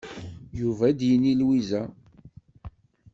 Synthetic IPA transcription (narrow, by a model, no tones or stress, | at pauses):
juvæd̪jənːilwizæ